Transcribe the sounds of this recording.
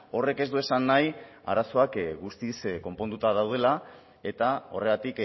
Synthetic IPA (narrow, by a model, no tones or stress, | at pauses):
o̞re̞ke̞zd̪ue̞sanːaj | a̰ɾaso̞akɡust̪isko̞mpo̞nd̪ut̪aðawð̞e̞la | e̞t̪ao̞re̞ɣat̪ik